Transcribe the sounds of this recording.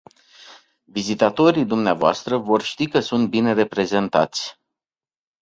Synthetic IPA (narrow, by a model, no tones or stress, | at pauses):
vizit̪at̪o̞ɾijd̪umneavoa̰st̪ɾəvo̞rʃt̪ikəsunt̪̚bine̞re̞pɾe̞ze̞nt̪a̰t̪sʲ